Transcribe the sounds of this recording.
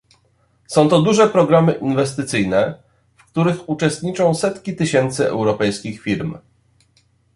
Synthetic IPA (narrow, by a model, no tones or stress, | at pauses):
sɔ̃w̃t̪ɔd̪uʐɛpɾɔɡɾamɘʔinvɛst̪ɘt̪sɘjnɛ | fkt̪uɾɘxut͡ʂɛst̪̚ɲit͡ʂɔ̃w̃sɛt̪kʲit̪ɘɕɛnt̪sɘɛ̰wɾɔpɛjskʲixfʲiɾm